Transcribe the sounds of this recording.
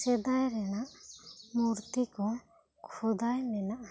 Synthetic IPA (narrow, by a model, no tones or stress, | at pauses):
sɛd̪ajɾɛnaʔmuɾt̪ikɔ | kʰɔd̪ajnɛnaʔa